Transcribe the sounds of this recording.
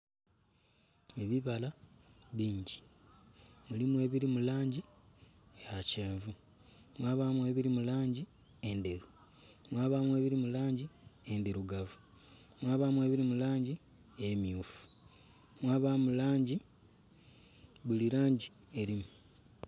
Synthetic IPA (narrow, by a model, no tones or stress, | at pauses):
eβiβalaβiːɲɟi | mulimwe̞ːβiɾimulaːɲɟi | eaceːɱvu | mwaːβamwe̞ːβiɾimulaːɲɟi | ende̞ɾu | mwaːβamwe̞ːβiɾimulaːɲɟiendeɾuɡavu | mwaːβamwe̞ːβiɾimulaːɲɟi | emjuːfu̥ | mwaːβamulaːɲɟi | βuliɾaːɲɟi | eɾimu